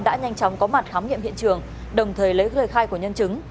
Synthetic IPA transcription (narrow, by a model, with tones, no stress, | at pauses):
ɗa̰ː˧˥ɲa˧jŋ̟t͡ɕɔ˨˦wŋ͡mkɔ˨˦ma˨˩t̚xaː˨˦mɲḭ˧˨əmhḭ˧˨ənt͡ɕɨ˨˩əŋ | ɗə˨˩wŋ͡mt̪ʰəː˨˩jlə˨˦jtəː˨˩jxaː˧jku˧˩əɲə˧nt͡ɕɨ˨˦ŋ